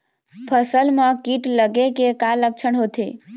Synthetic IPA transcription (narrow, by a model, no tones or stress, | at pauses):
pʰəsəlmə̃kiʈləɡekekalək̚t͡ʃʰəɳɦot̪ʰe